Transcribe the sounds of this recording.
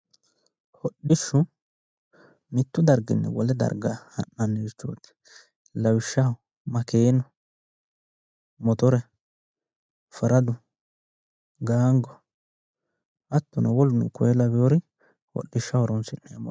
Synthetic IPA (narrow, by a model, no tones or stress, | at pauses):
hɔɗːɪʃːʊ | mɪt̪ːʊd̪ɐɾɡɪ̰nːɛ̰wɔlɛd̪ɐ̰ɾɡaɐ̰nːɐnːet͡ʃːo̰ːt̪ːɪ̥ | lɐwɪʃːɐ | mɐkeːnɔ | mɔt̪ɔɾɛ | fɐɾɐd̪ʊ | ɡaːŋɡɔ | ɐt̪ːʊnɐwɔlʊnɛ̰kɔjɛlɐbɛjoɾɪ | hɔ̰ɗːɪʃːɐwɔɾɔnsɪnːɛjɐmɔ̰